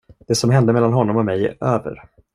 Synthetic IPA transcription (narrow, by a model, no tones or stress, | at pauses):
d̪̥ɛːsɔmɦɛnd̪əmɛlːanɦɔnːɔmɔmɛj̰ʔøːvə̰ɾ